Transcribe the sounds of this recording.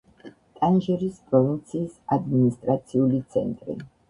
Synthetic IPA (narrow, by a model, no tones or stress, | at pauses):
t̪ʼanʒɛɾispʼɾɔvint̪sʰiːsad̪minist̪ʼɾat̪sʰiulit̪sʰɛnt̪ʼɾḭ